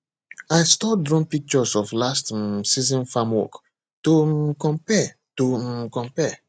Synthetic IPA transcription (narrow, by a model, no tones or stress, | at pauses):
ajstɔdɹɔ̃npik̚t͡ʃɔsɔflastsizɔ̃nfãmwɔ̰k | tokɔ̃mpɛ | tokɔ̃mpɛ